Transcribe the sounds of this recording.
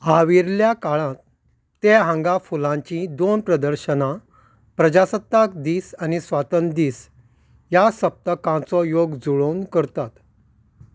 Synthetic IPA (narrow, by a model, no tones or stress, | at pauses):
haʋiɾljakaɭãt̪ː | eɦãŋɡafulãɲt͡ɕĩd̪onpɾəd̪əɾɕəna | pɾəd͡ʑasət̪ːakd̪iːsanisʋat̪ənd̪iːs | jasəp̚t̪əkãt͡sɔjoɡd͡zuɭownkəɾt̪at̪